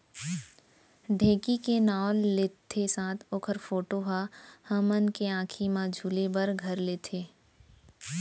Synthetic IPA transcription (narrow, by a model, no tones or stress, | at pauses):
ɖʱẽːkikenaːlːet̪ʰːesãːt̪ʰoːkʰəɾfoːʈoɦahə̃mənkeãːkʰimãd͡ʒʱuːlebəɾɡʱɐɾleːt̪ʰeː